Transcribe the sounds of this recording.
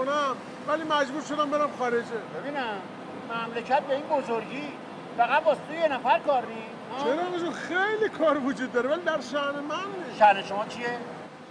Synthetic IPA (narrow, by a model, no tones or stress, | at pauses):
onæm | vælimæd͡ʒbuːɾʃod̪æmbeɾæmxɒːɾed͡ʒebebiːnæmː | æmlecʰæt̪̚beiːnbozoɾɡiː | fæɣæt̪̚bɒːst̪ʰujenæfæɾkɒːɾni | t͡ʃːʰeɾɒːneʃunxejlikʰɒːɾvod͡ʒuːd̪̚ːɒːɾevælid̪æɾʃæhnemænʃæhneʃomɒːt͡ʃʰije